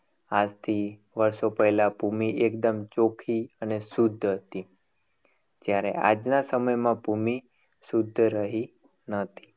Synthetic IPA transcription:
ad͡ʒt̪ʰi | ʋəɾsopəelapumiʔekd̪əmt͡ʃokʰiənesud̪ʱːɦət̪i | d͡ʒjaɾḛa̰d͡ʒnasəməjmãpumi | sud̪ʱːɾəɦi | nət̪ʰi̥

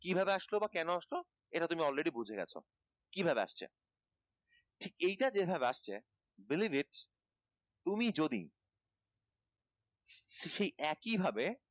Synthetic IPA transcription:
kibʱabeaʃlobakɛnoaʃlo | eʈat̪umiɔlɾeɽibud͡ʑʱeɡɛ̰t͡ɕʰo̰ | kibʱabea̰ʃt͡ɕʰḛ | ʈʰikejʈad͡ʑebʱabeaʃt͡ɕʰe | bilibiʈ | t̪umid͡ʑod̪ḭ | ʃejʔɛkibʱabe

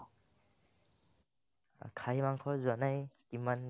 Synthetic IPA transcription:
kʰajmaŋkʰɔzɔnajkiman

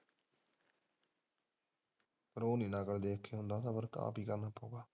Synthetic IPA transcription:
əɾoːniːnaːkəɽd̪eːkʰːeɦʊ̃nd̪aːt̪ãːbəɾka̰ːpiːkəɾnaːpaũɡaː

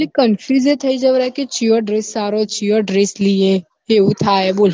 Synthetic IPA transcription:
likɐnfʰuzet̪ʰɐid͡ʒɐʋɾaɦket͡ʃioɖɾesːaːɾot͡ʃioɖɾeslie | eʊt̪ʰaːeboːl

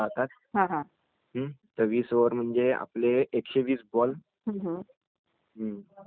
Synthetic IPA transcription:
at̪at̪̚ | ɦãɦã | ɦət̪əʋiːsoʋəɾm̤əɳd͡ʑea̰pleːkɕeʋiːsbɔl | ɦəɦ | ɦə

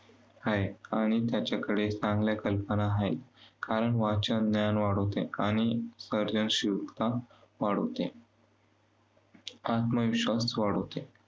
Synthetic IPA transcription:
hajaɽ̃it̪jat͡ɕakəɽet͡sãŋɡljakəlpənaɦaet̪kaɾəɳʋat͡ɕənjanʋaɽət̪eaɽ̃isəɾd͡ʑənɕiʋkt̪aʋaɽə̰t̪e | at̪məʋiɕʋasʋaɽəʋt̪e

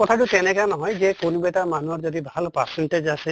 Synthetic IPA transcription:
kɔtʰatʊtɛnɛkanɔɦɔjzɛkonubaɛtamanuɔɹzɔdibʱalpaɾsɛnʈed͡ʒasɛ

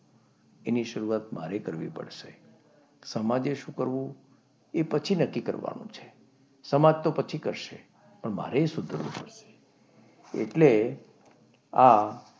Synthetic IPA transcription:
eniʃəɾuat̪maɾekəɾʋḭpə̰ɽʃe | səmad͡ʒeʃũkəɾʋũ | epət͡ʃʰinəkːikə̰ɾʋa̰nṵ̃t͡ʃʰe̥ | səmad͡ʒt̪opət͡ʃʰikəɾʃḛ | pəɳma̰ɾesʊd̪ʱəɾʋṵ̃pəɽʃe̥ | ḛʈle | a

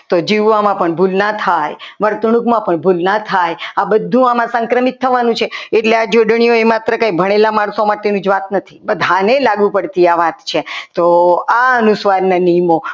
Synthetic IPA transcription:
t̪od͡ʒiʋʋamãpəɳbʱulnat̪ʰajʋəɾt̪ɳ̃ukmãpəɳbʱulnat̪ʰajabəd̪ʱːũamãsəŋkɾəmit̪ʰːəʋanũt͡ʃʰeeʈlead͡ʒoɖɳijoemat̪ɾəkãibʱəɽ̃elamaɳsomaʈenũd͡ʒʋat̪nət̪ʰi̥bəd̪ʱanelaɡupəɽt̪iaʋat̪t͡ʃʰet̪oaənusʋaɾnanijmo

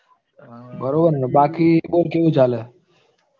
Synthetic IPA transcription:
bəɾoːbəɾnbaːkiːɓoːlkeʋet͡ʃaːle

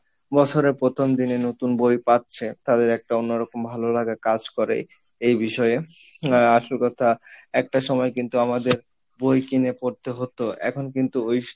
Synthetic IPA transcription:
bɔt͡ɕʰoɾeɾpɾot̪ʰomd̪inenot̪unbojpat̪ːt͡ɕʰet̪ad̪eɾɛk̚ʈaonːoɾɔkombʱalolaɡakad͡ʑkɔɾḛ | ejbiʃɔee | aʃolkɔt̪ʰaɛk̚ʈaʃɔmɔekint̪uamad̪eɾ | bojkinepoɾt̪eɦot̪oʔɛ̰kʰonkint̪uoj

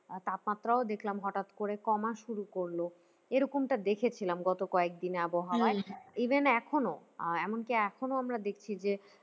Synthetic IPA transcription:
t̪ap̪mat̪ːɾaod̪ekʰlamɦɔʈat̪koɾekɔmaʃuɾukoɾlo | eɾokomʈad̪ekʰet͡ɕʰilamɡɔt̪okɔek̚d̪ineaboɦawaeibʱenɛkʰonoɛmonkiɛkʰonoamɾad̪ekʰt͡ɕʰid͡ʑe

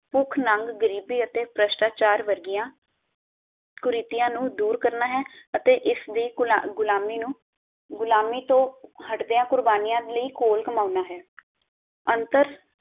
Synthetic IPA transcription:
pʊkʰnaŋɡɡəɾiːbiːət̪eːpɾəʃʈaːt͡ʃaːɾʋəɾɡijãː | kʊɾiːt̪ɪjãːnũːd̪uːɾkəɾnaːɦɛːət̪eːʔɪsd̪iːɡʊlaːmiːnũː | ɡʊlaːmiːt̪õːhəʈd̪eːãːkʊɾbaːnijãːd̪ləiːkoːlkəmaːnaːɦɛː | ənt̪əɾ

